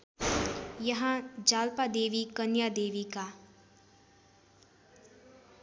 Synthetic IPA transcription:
jəɦãd͡ʒaːlpad̪eːʋikənjad̪eːʋika

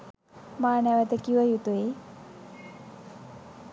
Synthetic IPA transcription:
maːnæʋət̪əkiʋəjut̪ue

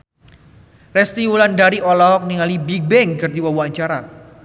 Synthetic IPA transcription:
rɛst̪iwulandaɾiʔɔlɔɦɔk̚niŋalibik̚bɛŋkɨrd̪iwawuaɲt͡ʃaɾa

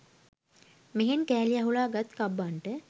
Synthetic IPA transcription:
meɦenkæːlijaɦulaːɡat̪kabːaɳʈə

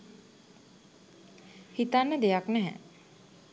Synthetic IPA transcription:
hit̪anːəd̪ejaknɛɦɛ̰

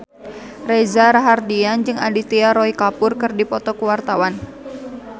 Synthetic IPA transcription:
rezaɾaɦardiand͡ʒɨŋa̰dit̪iaɾɔikapʊrkɨrdipɔt̪ɔkuwart̪awan

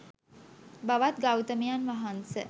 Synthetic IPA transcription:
baʋat̪ɡawt̪əmijanʋaɦansə

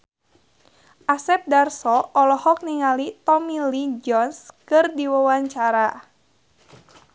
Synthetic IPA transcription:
ʔasɛp̚darsɔɔlɔhɔk̚niŋalit̪ɔmilid͡ʒɔnskɨrdiwawaɲt͡ʃaɾa

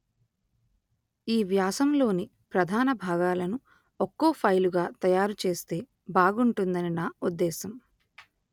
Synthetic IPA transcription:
iːʋjaːsɐmlo̞ːni | pɾɐd̪ʱaːnɐbʱaːɡaːlɐnu | okːoːpʰɐjluɡaːt̪ɐjaːɾut͡ʃe̞ːst̪e̞ː | baːɡuɳʈund̪ɐninaːud̪ːɛːsɐm

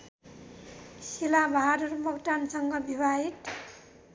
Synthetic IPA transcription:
silabʱaaɾʌɾumʌkʈansʌŋɡʌbʱibaɦit

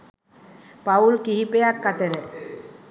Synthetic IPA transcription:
paulkiɦipejakkːat̪eɾe

